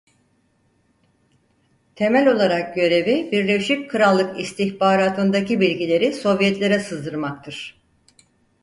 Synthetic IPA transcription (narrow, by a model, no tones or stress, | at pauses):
t̪ʰe̞mælʲo̞lˠaɾak̚ɟø̞ɾe̞vibiɾlʲe̞ʃip̚kʰɯɾalˠːɯkist̪ʰiçbaːɾaːt̪ʰɯnd̪acibilʲɟilʲe̞ɾiso̞vjɛt̪lʲe̞ɾɛsɯzd̪ɯɾmak̚t̪ʰɯɾ̝̥